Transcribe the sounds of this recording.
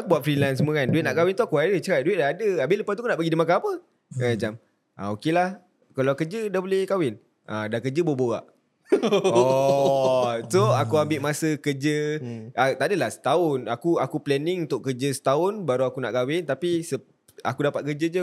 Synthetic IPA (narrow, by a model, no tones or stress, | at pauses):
akubuaʔ̪fɾilansəmuŋanduɪʔ̪̚naʔkawɪnt̪uakuadət͡ʃəɾaʔ̚duɪʔ̚daadəabɪləpat̪ukunaʔbəɡidimakaapə | ad͡ʒam | ʔa̰okelah | kalakəd͡ʒədabolɛhkawɪn | ʔadakəd͡ʒəboboa̰ʔ | ɔ | soakuambɪʔmasəkəd͡ʒəat̪adəlahsə̥t̪aʊnakuakuplɛnɪŋunt̪ʊʔkəd͡ʒəsə̥t̪aʊnbaɾuakuna̰ʔkawɪnt̪apisə | a̰kudapat̪̚kəd͡ʒəd͡ʒu